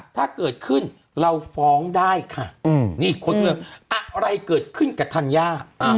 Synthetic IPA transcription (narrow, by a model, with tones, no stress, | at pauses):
t̪ʰaː˥˩kɤː˨˩t̪̚kʰɯ˥˩n | ɾa˧wfɔː˨˦˥ŋdaː˥˩jkʰa˧˥˩niː˥˩kʰo˧˦˧lɤ˧ʔa˧ɾa˧jkɤː˨˩t̪̚kʰɯ˥˩nka˨˩t̪ʰa˧njaː˥˩ʔa˧